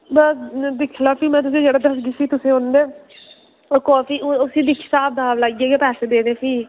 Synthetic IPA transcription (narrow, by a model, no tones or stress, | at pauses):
bəsd̪ɪkʰlaːpʰiːmɛ̃ːt̪̬ʊs̬ẽːd͡ʒeːɽaːd̪əsɡiːsiːt̪ʊsẽːɦõːnd̪eː | oːɾkɔːfiːʊsiːd̪iːkʰɪ̥saːb̚d̪aːʋlaːɡiːeːɡeːpɛːseːd̪eːneːpʰiː